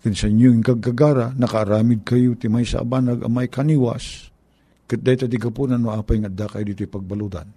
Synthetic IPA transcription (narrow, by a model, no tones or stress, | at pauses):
kɨnsɐɪɲjoɪŋkaɡaɡaɾanɐkaːɾaːmɪd̪̚kajot̪ɪmajsa̰ʔa̰banaɡa̰majkaniwa̰s | kɨt̪̚d̪ajt̪ːad̪ɪɡapunanmoʔaːpajŋad̪akajd̪iːt̪ojpaɡ̚balud̪a̰n